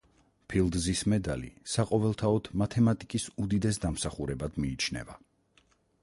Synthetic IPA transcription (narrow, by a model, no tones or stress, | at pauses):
pʰilˠd̪zismɛd̪a̰lḭsaqʼɔvɛlˠt̪ʰaɔd̪ʰmat̪ʰɛmat̪ʼikʼisud̪id̪ɛs̬d̪amsaχuɾɛbad̪miːt͡ʃʰnɛ̰va